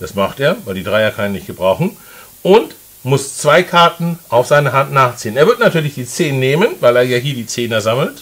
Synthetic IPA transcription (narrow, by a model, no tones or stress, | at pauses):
d̥asmaχtʔeːɐvaɪldiːdʁaɪakʰaneːnnɪçtɡ̥əbʁaʊxn̩ | ʔʊnt | mʊst͡sv̥aɪkʰaɐtn̩ʔaʊfz̥aɪnəɦantnaːχt͡siːəneːɐvɪɐtnatʰyːɐlɪçd̥iːt͡seːnːeːmənvaɪleːɐjaːɦiːɐdiːt͡seːnəzaml̩t